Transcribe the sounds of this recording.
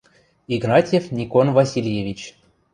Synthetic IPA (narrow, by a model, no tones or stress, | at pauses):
iɡnɑtʲjefnʲikonvɑsʲilʲjevʲit͡ɕ